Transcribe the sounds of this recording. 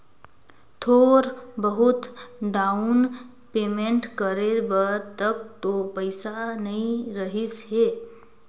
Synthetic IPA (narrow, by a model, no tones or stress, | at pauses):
t̪ʰoːɾbəɦʊt̪ɖaʊn | peːmẽɳʈkəɾebəɾt̪ək̚t̪opəɪsanəɦĩɾəɦɪsɦeː